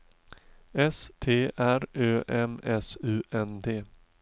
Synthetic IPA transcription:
ɛst̪ʰeːʔæɾøːʔɛmɛsʉ̟ːʔɛnd̪eː

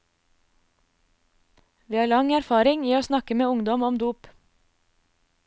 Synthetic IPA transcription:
ʋiːhɑːlɑŋæɾfɑːɾɪŋiːoːsnɑkəmeːʊŋd̪ɔmɔmd̪uːp

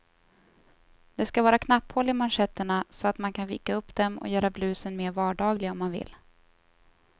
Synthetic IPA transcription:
d̪̥ɛskavɑːɾakʰnapːhɔlːɪmanʂɛt̪ːəɳasɔat̪mankʰanviːkaɵpːd̪̥ɛmɔ̰jœːɾablʉ̟ːsənmeːɾvɑːɖɑːɡlɪɡaɔmːanvɪ̰lː

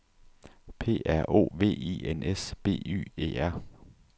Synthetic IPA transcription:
pʰe̝̰ːæɐ̰ʔo̝̰ːʋe̝̰ːḭːenesb̥e̝̰ːy̰ːḛːæɐ̰

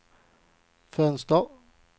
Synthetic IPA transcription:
fœnst̪ə

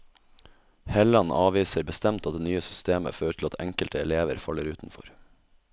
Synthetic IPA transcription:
hɛlɑnʔɑːʋiːsəɾbəst̪ɛmt̪ɑt̪d̪eːnyːəsʏ̥st̪eːmə̰føːɾəʈʰɪlɑt̪ʰɛ̰ŋkəlt̪əɛleːʋəɾfɑləɾʉːt̪n̩fɔ̰ɾ

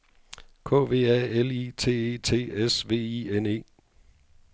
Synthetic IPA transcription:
kʰɔ̰̽ːʋe̝̰ːæelit͡sʰe̝̰ːe̝ːt͡sʰe̝̰ːesʋe̝̰ːiene̝̰ː

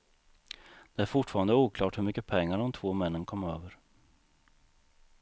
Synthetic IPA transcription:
d̪̥ɛæɾfʊʈːfɑːɾand̪əuːkʰlɑːʈhɵɾmʏkːəpʰɛŋːaɖɔmt̪ʰvoːmɛnːənkʰɔmːøːvəɾ

